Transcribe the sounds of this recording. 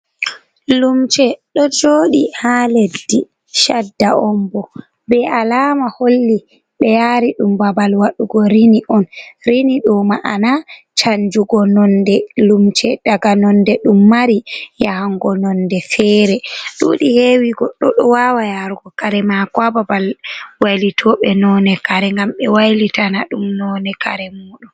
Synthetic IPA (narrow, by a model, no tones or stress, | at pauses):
lumt͡ʃɛɗɔd͡ʒoːɗihaledːi | ʃadːaʔɔmbɔ | bɛalaːmaholːi | ɓɛjaɾiɗumbabalwaɗuɡɔɾiniʔɔnɾiniɗɔmaʔana | t͡ʃaɲd͡ʒuɡɔnɔndɛlumt͡ʃɛd̥aɡanɔndɛɗumːaɾijahaŋɡɔnɔndɛfɛɾɛɗṵɗihewiɡɔɗːɔɗɔwawajaɾɡɔkaɾɛmakwababalwajlitʰɔɓɛnɔnɛkaɾɛŋɡamɓɛwajlitanaɗumnɔnɛkaɾɛmuɗum